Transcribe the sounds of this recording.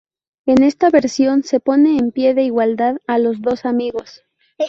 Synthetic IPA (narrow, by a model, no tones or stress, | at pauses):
e̞ne̞st̪aβe̞ɾsjo̞nse̞po̞ne̞ːmpje̞ðe̞iɣwald̪aðalo̞zðo̞samiɣo̞s